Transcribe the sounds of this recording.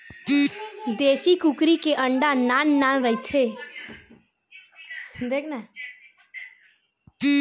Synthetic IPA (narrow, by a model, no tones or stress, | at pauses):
d̪eːsikukɾikeʔə̃ɳɖanaːnːanɾəit̪ʰe | d̪eːkʰna